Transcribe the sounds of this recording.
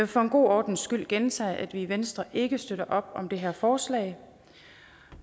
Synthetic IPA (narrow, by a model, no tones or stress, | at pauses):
ʋfɒ̽e̝nɡ̥o̝̰ːɒːd̥n̩sɡ̥yl̰ɡ̥ent͡sʰɛ̰ːʔæd̥ʋiʋensd̥ʁɐʔe̝ɡ̥əsd̥øɾ̥ɐʔɒ̽b̥ɒ̽md̥e̝ɦæɐ̰fɒːslɛ̰ɪ